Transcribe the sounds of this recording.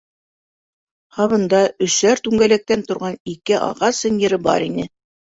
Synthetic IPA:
hɑβɤ̆nd̪ɑɵ̆ʃæɾt̪ʉŋɡælæk̚t̪ænt̪ŏɾʁɑnikɘʔɑ̰ʁɑsɤ̆njɘ̆ɾɘbɑ̰ɾinɘ

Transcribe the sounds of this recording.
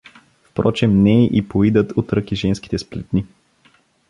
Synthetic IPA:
fpɾɔt͡ʃɛmnɛʔipoid̪ət̪ot̪ɾɤkiʒɛnski̥t̪ɛsplɛt̪ni

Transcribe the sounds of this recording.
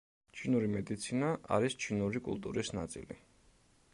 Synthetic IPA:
t͡ʃʰinuɾimɛd̪it̪sʰinaʔa̰ɾist͡ʃʰinuɾikʼṵlˠt̪ʼuɾisna̰t̪sʼḭlḭ

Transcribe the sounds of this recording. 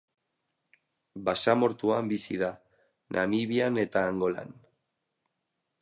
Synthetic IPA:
basamo̞ɾt̪uambisiða | nʔamiβiane̞t̪aːŋɡo̞la̰n

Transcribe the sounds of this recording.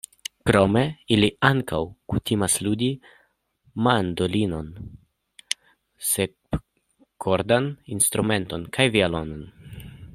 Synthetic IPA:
kɾo̞me̞iliaŋkawkutimasludi | mand̪olino̞n | se̞ | kʰoɾd̪aninst̪ɾume̞nto̞nkʰajvialo̞non

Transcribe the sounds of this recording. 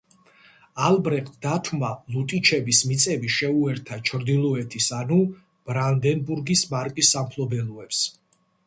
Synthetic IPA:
albɾɛqʼt̪ʰd̪at̪ʰmalut̪ʼit͡ʃʰɛbismit̪sʼɛbiʃɛuɛɾt̪ʰat͡ʃʰɾd̪ilˠɔɛt̪ʰisanu | b̥ɾand̪ɛnbuɾɡismaɾkʼisːampʰlɔbɛluɛps

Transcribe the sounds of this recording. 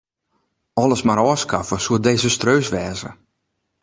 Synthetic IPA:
ɔləsmaɾɔːskafəsuədeːzəstrøːsʋɛːzə̰

